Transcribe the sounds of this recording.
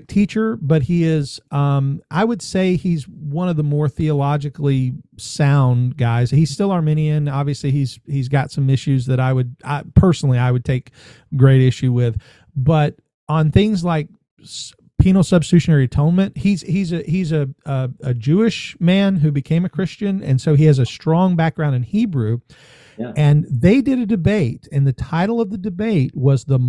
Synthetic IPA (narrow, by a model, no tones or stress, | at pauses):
tʰit͡ʃə˞bʌt̚hiɪz̥ʔʌ̃mʔaɪwɨd̥seɪizwʌ̃ñʌvðəmɔɹθiəlɑd͡ʒɨklisãʊ̃ndɡaɪz̥hiz̥stɪlˠə˞mɪ̃ñiɨ̃nɑbviɨsliiz̥hizɡɑtsʌ̃mɪʃʉzðɨɾaɪwɨd̚a̰ɪpʰɜ˞sn̩l̩ˠiaɪwɨd̚tʰeɪk | ɡ̥ɹeɪɾɪʃʉwɪð̥ | bʌɾ | ə̃nθɪ̃ŋzlaɪk̚ | s | pʰĩñl̩ˠsʌb̥stʉʃɨnɛɹiɨtʰõʊ̃nmɨ̃nʔ̚hiz̥izɨhizɨʌɨd͡ʒʉɪʃmæ̃nɦʉbɨkʰẽɪ̃mɨkʰɹ̥ɪst͡ʃɨ̃nɨ̰̃nsoʊiɨzɨstɹ̥ɔ̃ŋbæk̚ɡ̥ɹãʊ̃ndɨ̃nhibɹʉ | ɨ̃nðeɪdɨɾɨdɨbeɪɾɨ̃nðɨtʰaɪɾl̩ˠʌvðɨdɨbeɪt̚wʌzðə